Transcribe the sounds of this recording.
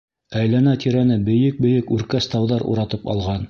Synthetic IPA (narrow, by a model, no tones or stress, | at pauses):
æjlænæt̪ʰiɾænɘbɘ̆jɘk̚bɘ̆jɘkʉɾkæst̪ɑwðɑɾṵɾɑt̪ɤpɑ̰lˠʁɑn